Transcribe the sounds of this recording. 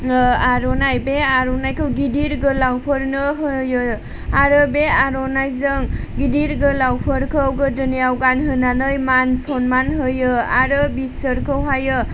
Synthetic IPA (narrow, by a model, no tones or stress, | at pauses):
aɾɔnajbeaɾɔnajkʰɯwɡidiɾɡɯlawpʰɯɾnɯɦɯjɯ | aɾɯbeaɾɔnajzɯŋɡidiɾɡɯlawpʰɯɾkʰɯwɡɯdɯnijawɡanɦɯnanɯjmansɔnmanɦɯjɯaɾɯbisəɾkʰɯwɦajɯ